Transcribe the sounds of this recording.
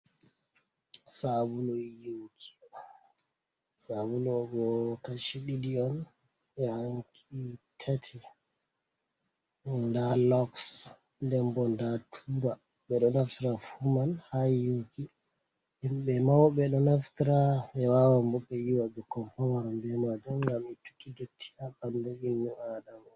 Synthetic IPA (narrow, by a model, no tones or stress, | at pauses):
sabulɔjowkʰi̥ | sabulɔɡɔkaʃiɗidiɔn | ɓɛhaŋkʰitʰatʰi | ɓɔndalɔks | ndɛmbɔndatʰuɾa | ɓɛɗɔnaftiɾafumanhajoki | mɓɛmawɓɛɗɔnaftiɾaɓɛwawambɔɓːɛjiwaɓɛkɔmpawaɾambɛnad͡ʒuŋŋɡamɛtu̥kidotʰːi̥abandoɡinːuadama